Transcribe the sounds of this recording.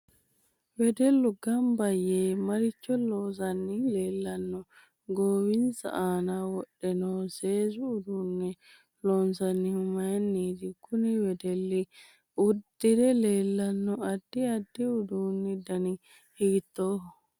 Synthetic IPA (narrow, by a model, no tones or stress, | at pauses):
wɛd̪ɛlːuɡɐmbɐjeːmɐɾɪt͡ʃːɔlɔːs̬ɐnːɪleːlːɐnːɔ | ɡoːwɪnsɐ̰ʔaːnawɔɗːɛnoːseːzuːd̪unːɛ | lɔːnsɐnːɪmɐjnːiːd̪ɪkʊnɪwɛd̪ɛlːi | ʊd̪ɪɾɛleːlːɐnːɔɐd̪ːiɐd̪ːiʊd̪unːid̪ɐnɪ | hiɡt̪ːoːhɔ